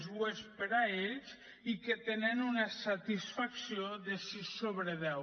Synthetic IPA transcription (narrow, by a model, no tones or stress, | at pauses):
zwespeɾaeʎz | iket̪enenunasat̪isfaksioðesisoβɾeðɛw